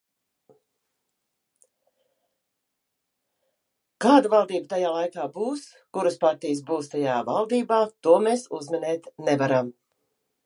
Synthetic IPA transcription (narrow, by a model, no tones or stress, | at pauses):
kaːd̪avalˠd̪iːbət̪ajaːlˠajkaːbuːs | kuɾəspaɾt̪ijəs̬buːst̪ajaːvalˠd̪iːbaːt̪uɔmeːsuzmɛnɛːt̪nɛvaɾam